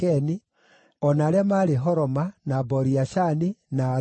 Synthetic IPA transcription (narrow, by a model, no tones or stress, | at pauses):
ɛni | ɔnaɾeamaːɾeɦɔɾɔmanabɔɾiaʃanina